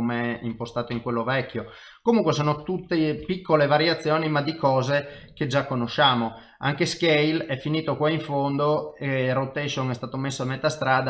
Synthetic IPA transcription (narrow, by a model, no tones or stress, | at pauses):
omeɛimpost̪aːt̪oiŋkwelːovɛkːjo | komuŋkwesoːnot̪ut̪ːepikːolevaɾjat̪sːjɔːnimad̪ikɔːze | ked͡ʒakːonoʃːaːmo | a̰ŋkeskejlɛfːiniːt̪okwaiɱfond̪oɛrot̪ɛʃoŋɛst̪aːt̪omesːoamet̪ːast̪ɾaːd̪a